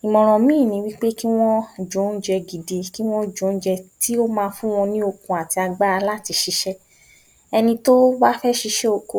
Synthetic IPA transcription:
i˨mɔ̃˨ɾ̃ɔ̃˨mĩː˦˨nĩ˧˦wi˦k͡pe˦ki˦w̃ɔ̃˦d͡ʒõ˨˦n̩˦d͡ʒɛ˧ɡi˨de˨ki˦w̃ɔ̃˦d͡ʒõ˨˦n̩˦d͡ʒɛ˧ti˦o˦mãː˦˧fũ˦w̃ɔ̃˧nĩ˦o˧kũ˨a˨ti˧a˧ɡ͡ba˦a˧la˦ti˧ʃi˧ʃɛ˦ | ɛ˧nĩ˧to˦ba˦fɛ˦ʃi˧ʃɛ˦o˧ko˧

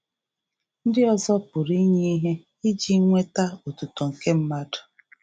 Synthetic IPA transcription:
n̩˦dɪ˦ɔ˦zɔ˦pʊ˨ɾi˦ɲe˦i˦ɦe˦ | i˦d͡ʒi˦ŋʷe˦ta˦o˨tu˨tɔ˨ŋ̩˨ke˦m̩˦ma˦dʊ̥˨

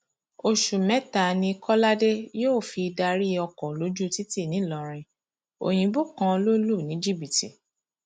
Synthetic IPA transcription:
o˧ʃu˨mɛ̃˦ta˨nĩ˧kʰɔ˦la˦de˦joː˦˨fi˧da˧ɾi˦ɔ˧kɔ˨lo˨˦d͡ʒu˦ti˦ti˦˨nĩ˨˦lɔ˨ɾ̃ĩ˧ | o̰˨j̃ĩ˨bo˦˨kã˧lo˦lu˦˨nĩ˨˦d͡ʒi˦˨bi˨tḭ˨

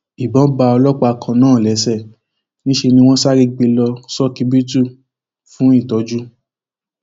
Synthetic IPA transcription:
i˨bɔ̃˨˦ba˧ɔ˧lɔ˦k͡pa˦a˧kʰã˧nãː˦˨lɛ˨˦sɛ˦˨ | nĩ˦ʃe˧nĩ˧w̃ɔ̃˦sa˦ɾi˦ɡ͡be˧lɔ˧sɔ˦ki˨˦bi˦tu˦˨ | fũ˦i˦˨tɔ˨˦d͡ʒu˦

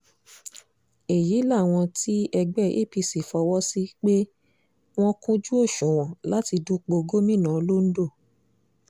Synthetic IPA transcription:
e˨ji˨˦la˦˨w̃ɔ̃˧ti˦ɛ˧ɡ͡bɛ˦˨ʔḛ˦˨pi˧si˨fɔ˧wɔ˦si˦k͡pe˦ | w̃ɔ̃˦kũ˦d͡ʒu˦o˦˨ʃũ˨w̃ɔ̃˨la˨˦ti˧dũ˦k͡po˧ɡo˦mĩ˦˨nã˨˦lo˦n̩˦do˦˨

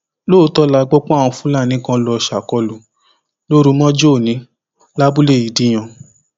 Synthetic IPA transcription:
lo˦tɔ˦la˧ɡ͡bɔ˦k͡pɔ̃˦a˦˨wũ˧fũ˦la˦˨nĩ˦kã˦lɔ˧˨ʃa˨kɔ˧lu˨ | lo˦ɾu˨˦mɔ̃˦d͡ʒo˦˨nĩ˨˦ | la˦bu˦le˦˨ji˨di˧˦j̃ã˧

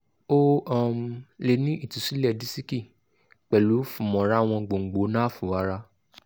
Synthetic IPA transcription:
o˦a˦˨m˨le˧˨nĩ˦i˦˨tu˨si˦lɛ˦˨di˦si˦ki˦˨ | k͡pɛ˨lu˨˦fũ˨mɔ̃˨˦ɾa˦˨w̃ɔ̃˧ɡ͡bo˨ŋ̩˨ɡ͡bo˨˦nã˦fũ˨˦a˦ɾa˦

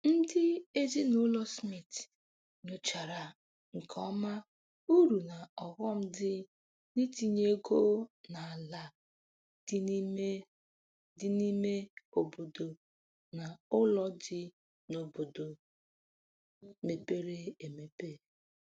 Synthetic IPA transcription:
n̩˦dɪ˦e˦zi˦nʊ˦lɔ˦smi˨t | no˨t͡ʃa˨ɾa˨ | ŋ̩˨kʰɔ˦ma˦ | u˦ɾu˨na˨ɔ˨ɣɔ˦m̩˦dɪ˦ | ni˦ti˦ɲe˦ɡo˦na˨la˨ | d̥ɪ˦ni˦me˦ | dɪ˦ni˦me˦o˨bo˨do˨ | na˨ʊ˦lɔ˦dɪ˦ | no˨bo˨do˨ | me˨pe˦ɾe˦e˨me˨pe˦˨

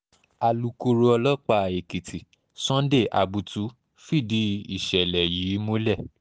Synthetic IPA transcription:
a˨lu˨˦ku˧ɾo˧ɔ˧lɔ˦k͡pa˧˨e˨ki˨ti˨ | sɔ̃˦de˦˨ʔa̰˧bu˧tu˨˦ | fi˦˨di˨˦ḭ˦˨ʃɛ˨lɛ˨jiː˨˦mo˦lɛ˦˨

